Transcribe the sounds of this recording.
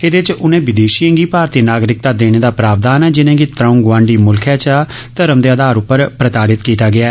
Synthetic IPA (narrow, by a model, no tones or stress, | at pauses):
ed̪et͡ʃʊnẽːʋɪd̪eːʃijə̃ŋɡiːpaːɾt̪iːnaːɡɾɪk̚t̪aːd̪eːɽ̃eːd̪aːpɾaːʋd̪aːnɛːd͡ʒɪnẽːɡiːt̪ɾãʊ̃ŋɡʋãːɳɖiːmʊlkʰɛːt͡ʃat̪əɾəmd̪eːəd̪aːɾʊpːəɾpɾət̪aːɽɪt̪kiːt̪aːɡɪaːɛ